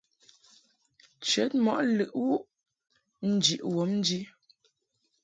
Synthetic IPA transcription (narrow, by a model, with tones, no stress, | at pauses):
t͡ʃɥɛ˨˦t̚mɔ˨ʔlʉ˨ʔwu˦ʔ | n̩˦d͡ʒi˨ʔwɔ˨˦mn̩˦d͡ʒi˦